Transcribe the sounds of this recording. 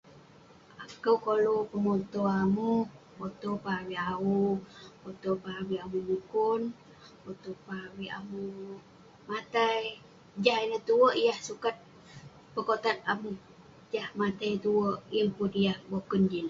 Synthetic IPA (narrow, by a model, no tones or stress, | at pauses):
akəwkolopəmot̪oamu | bot̪opaɦawiaupot̪opaɦawiamumukun | pot̪opaawiʔa̰mu | mat̪aj | d͡ʒaɦinət̪uwəʔijahsukat̪̚ | pəkot̪at̪̚amu | d͡ʒahmat̪ajt̪uwəʔimpʊt̪ijahbokund͡ʒin